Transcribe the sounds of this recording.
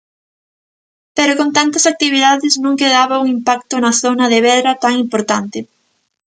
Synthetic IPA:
peɾokõnt̪ant̪ɐsak̚t̪iβiðaðɪsnõŋkeðaβɐuŋimpak̚t̪ʊnɐθonɐðeβɛðɾɐt̪aŋimpoɾt̪ant̪ɪ

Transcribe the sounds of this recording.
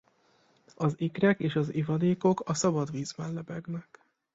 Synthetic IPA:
ɒzikrɛkeːʃɒzivɒd̪eːko̞kɒsɒbɒd̪viːzbɛllɛbɛɡnɛk

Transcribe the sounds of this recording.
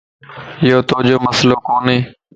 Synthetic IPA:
ɪjoːt̪oːd͡ʒoːməsloːkoːnɦeː

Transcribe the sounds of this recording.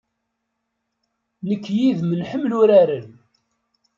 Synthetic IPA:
nəkːjiðmənħəmːlʊɾæɾən

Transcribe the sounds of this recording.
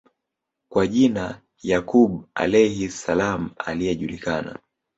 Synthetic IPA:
kwaʄina | jakuɓa̰lɛhisalam̩a̰lijɛʄulikana̰

